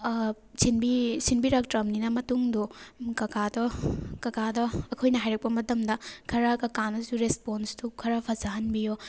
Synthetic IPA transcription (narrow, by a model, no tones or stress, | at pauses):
sinbisinbiɾak̚tɾɐmninɐmɐtuŋdukɐkadɔkɐkadɔɐkʰojnɐɦajɾɐk̚pɐmɐtɐmdɐkʰɐɾɐkɐkanɐzuɾesponstukʰɐɾɐpʰɐzaɦɐnbijo